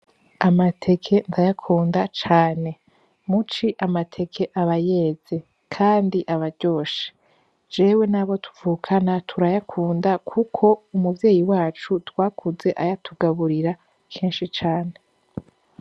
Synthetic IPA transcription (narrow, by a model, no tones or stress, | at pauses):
amatʰe̞kʰe̞ndajakʰuːndat͡ʃaːne̞ | mut͡ʃiʔamatʰe̞kʰe̞ʔaβaje̞ːz̥e̞ | kʰaːndiʔaβaɟo̞ːʃe̥ | d͡ʒe̞ːwe̞naβo̞tu̥vuːkʰanatʰuɾajakʰuːndakʰukʰo̞umuvje̞ːjiwaːt͡ʃutwaːkʰuze̞ʔajatʰuɡaβuɾiɾa | kʰiːnʃit͡ʃaːne̞